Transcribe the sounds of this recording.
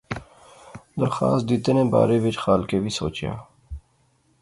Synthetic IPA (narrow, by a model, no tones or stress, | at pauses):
d̪əɾxa̰ːst̪̚d̪it̪enẽba̰ːɾebit͡ʃxaːlkebʱiso̰ːt͡ʃja̰ː